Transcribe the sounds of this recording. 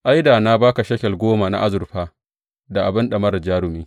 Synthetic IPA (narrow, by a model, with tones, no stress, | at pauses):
ʔa˦jdaː˨na˦baː˦ka˨ʃɐ˦kʲɛ˨lɡʷoː˦ma˨na̰˦ʔa˦zʊ˨rɸaː˦ | da˨ʔa˨bɪ˦nɗɐ˨mɐ˦ɾɐ˨d͡ʒaː˦ɽʊ˨miː˦